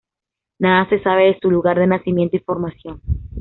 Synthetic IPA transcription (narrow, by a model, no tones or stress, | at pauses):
naðase̞saβ̞e̞ðesuluɣaɾðe̞nasimje̞nt̪oifo̞ɾmasjo̞n